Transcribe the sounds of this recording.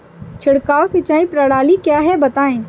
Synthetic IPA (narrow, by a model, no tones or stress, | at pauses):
t͡ʃʰɪɽkaːosɪt͡ʃaːĩpɾɐɽaːlikjaːɦɛbɐt̪aːẽː